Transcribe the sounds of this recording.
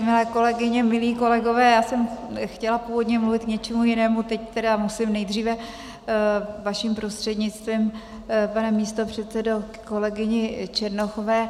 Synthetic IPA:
mɪlɛːko̞lɛɡɪɲɛmɪliːko̞lɛɡo̞vɛːjaːsɛmxcɛlapuːvodɲɛmluvɪt̪̚kɲɛt͡ʃɛmujɪnɛːmut̪ɛct̪ɛdamusɪmnɛjd̪r̝iːvɛ | vaʃimpɾo̞st̪r̥ɛd̪ɲɪt͡st̪viːm | panɛmiːst̪o̞pr̝̥ɛt̪sɛdo | ko̞lɛɡɪɲɪt͡ʃɛɾnoxovɛː

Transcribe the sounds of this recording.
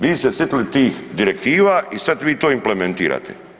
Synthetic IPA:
ʋiːsesjet̪ilit̪iːxd̪iɾek̚t̪iːʋaːʔisat̪ʋiːt̪oːimplement̪ḭːɾa̰ːt̪ʰḛ

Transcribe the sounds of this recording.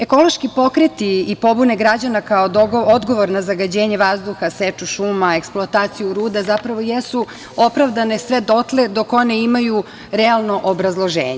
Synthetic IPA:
e̞ko̞lo̞ʃkipo̞kɾet̪iipo̞buneɡɾad͡ʑanakaod̪ood̪ɡo̞ʋo̞ɾnazaɡad͡ʑeːɲeʋazd̪uxaset͡ʃuʃumae̞ksplˠoat̪aːt̪sijuɾuːd̪azapɾaʋo̞jesu | o̞pɾaʋd̪anesʋe̞d̪o̞t̪le̞d̪oko̞neimaju | ɾɛalˠno̞ʔobɾazlˠo̞ʒḛːɲe

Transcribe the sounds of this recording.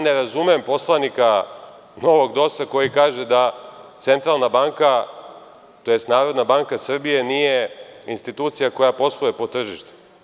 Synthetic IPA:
ne̞ɾazumeempo̞slˠanika | no̞ʋo̞ɡd̪o̞sako̞jikaːʒed̪at̪se̞nt̪ɾalˠnabaŋka | t̪ojest̪naːɾo̞d̪nabaŋkasr̩bije̞nijeinst̪it̪uːt̪sijako̞japo̞slˠujepo̞t̪r̩ʒiʃt̪u̥

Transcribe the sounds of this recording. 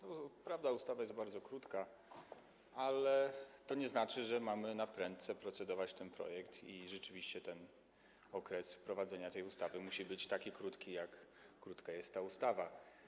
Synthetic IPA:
nɔpɾavd̪aust̪avajɛst̪baɾd̪zɔkɾut̪ka | alɛt̪ɔɲɛznat͡ʂɘʐɛmamɘnapɾɛnt̪t̪sɛpɾɔt̪sɛd̪ɔvat͡ɕt̪ɛnpɾɔ̰jɛkt̪ʰiʐɛt͡ʂɘvʲiɕt͡ɕɛt̪ɛn | ɔkɾɛspɾɔvad̪zɛɲat̪ɛjust̪avɘmuɕibɘt͡ɕt̪akʲikɾut̪kʲijakː | ɾut̪kajɛst̪ːaust̪ava

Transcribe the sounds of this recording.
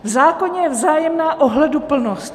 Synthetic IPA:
vzaːkoɲɛjɛvzaːjɛmnaːʔoɦlɛdupl̩nost̪

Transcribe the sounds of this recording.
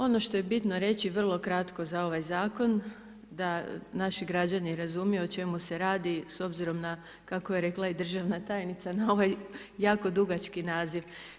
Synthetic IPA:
o̞no̞ʃt̪o̞je̞bit̪no̞ɾe̞t͡ɕiʋr̩lˠo̞kɾat̪ko̞zao̞ʋajzaːko̞n | d̪anaʃiɡɾad͡ʑaniɾazumijoot͡ʃe̞muse̞ɾaːd̪iso̞bziɾo̞mna | kakojeɾe̞klˠaid̪r̩ʒaʋnat̪aːjnit̪sanao̞ʋaj | jaːko̞d̪uɡat͡ʃkinaːziʋ

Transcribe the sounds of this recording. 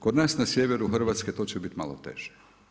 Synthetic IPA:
kod̪naːsnasjeʋeɾuxr̩ʋaːt̪sket̪oːt͡ɕebit̪ma̰lo̰t̪ḛʒ̥e̥

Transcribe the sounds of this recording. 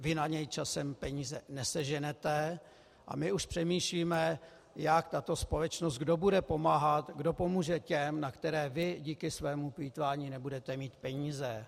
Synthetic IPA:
vɪnaɲɛjt͡ʃasɛmpɛɲiːzɛnɛsɛʒɛnɛt̪ɛ | ʔa̰mɪuʃpr̝̥ɛmiːʃliːmɛ | jakt̪at̪ospo̞lɛt͡ʃnos̬t̪̚ɡdo̞budɛpo̞maːɦat̪ɡdo̞po̞muːʒɛcɛmnakt̪ɛɾɛːvɪɟiːkɪsvɛːmupiːt̪vaːɲiːnɛbudɛt̪ɛmiːt̪pɛɲiːzɛ

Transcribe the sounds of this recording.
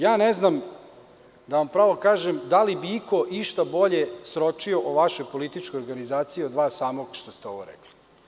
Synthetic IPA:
jaːneznam | d̪aʋampɾaːʋo̞kaːʒemd̪alibiiko̞ʔiʃt̪abo̞ʎesɾot͡ʃioʔoʋaʃojpolit̪it͡ʃkojoɾɡanizaːt̪sijiod̪ʋaːsaːmoɡʃt̪ost̪eo̞̰ʋo̰ɾɛ̰kli̥

